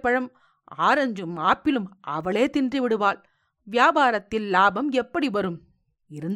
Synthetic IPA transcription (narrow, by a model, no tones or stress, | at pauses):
pːɐɻɐm | aːɾɐɲd͡ʒɯmaːpːɪlɯmɐʋɐɭeːt̪ɪndriʋɪɽɯʋaːl | ʋjaːbaːɾɐt̪ːɪlːaːbɐmɛpːɐɽiʋɐɾɯm | ɪɾɯn